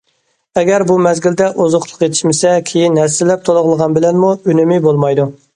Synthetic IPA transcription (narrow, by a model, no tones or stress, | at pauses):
ɛɡʲɛɾbumɛzɡʲild̪ɛʔozʊχlˠʊ̥qjet̪ʰɪ̥ʃmɪsɛkʲʰejinɛsɪlːɛp̚t̪ʰolˠʊʁlˠəʁɑnbɪlɛnmuynymɪbolˠmɑjd̪u